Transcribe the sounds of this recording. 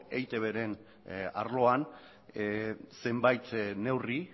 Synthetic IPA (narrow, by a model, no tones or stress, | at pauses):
ejt̪e̞βe̞ɾe̞n | a̰ɾlo̞an | sembajt̪ne̞wri